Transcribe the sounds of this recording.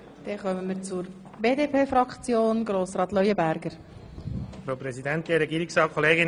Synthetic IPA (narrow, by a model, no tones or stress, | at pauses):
d̥ɛχœməmət͡suɾ | beːdeːpʰeːfɾɑkt͡sjoːnɡɾoːsɾɑːt̪lœjəbæɾɡəɾ | fɾaʊpɾɛzid̪ɛntɡeɾɛɡiːɾɪksɑːkʰoleːɡɪ